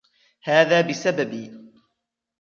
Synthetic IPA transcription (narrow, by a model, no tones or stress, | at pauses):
haːðaːbɪsababiː